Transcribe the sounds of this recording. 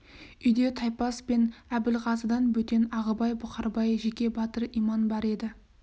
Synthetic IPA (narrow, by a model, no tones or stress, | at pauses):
ʏjd̪e̞t̪ʰɑjpɑspe̞næbɪlʁɑzəd̪ɑnwɵt̪e̞nɑʁəbɑjbʊqɑɾbɑjʒe̞kʲe̞bɑt̪əɾijmɑnbɑɾe̞d̪ɪ